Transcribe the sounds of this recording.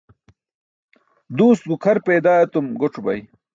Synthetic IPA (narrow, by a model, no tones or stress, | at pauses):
d̪uːst̪̚ɡukʰɐɾpeːd̪aːɐt̪umɡoʈ͡ʂubɐ̰j